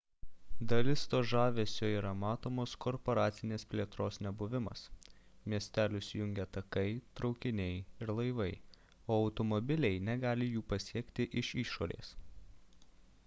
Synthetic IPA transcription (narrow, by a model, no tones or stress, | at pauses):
d̪ɐlʲɪst̪oːʒɑːʋʲeːsʲoːiːɾɐmɑːt̪oːmoːskɔɾpɔɾɑːt̪sʲɪnʲeːspʲlʲeɛt̪ɾoːsnʲɛbʊʋʲɪmɐ̰smʲiɛsʲt̪ʲæːlʲʊsʲɪjʊŋʲɡʲɛɐt̪ɐkɐɪt̪ɾɒʊkʲɪnʲɛɪɪɾlˠɐɪʋɐɪ | oːɐʊt̪ɔmɔbʲɪlʲɛɪnʲɛɡɑːlʲɪjuːpɐsʲiɛkt̪ʲɪʔɪʃiːʃoːɾʲḛːs